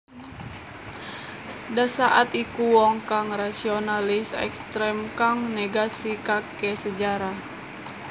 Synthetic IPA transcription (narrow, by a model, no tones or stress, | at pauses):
dasaʔat̪ikuwɔŋkaŋrasionalɪsɛ̰kst̪ɾɛmkaŋneɡasikakɛsəd͡ʒaɾah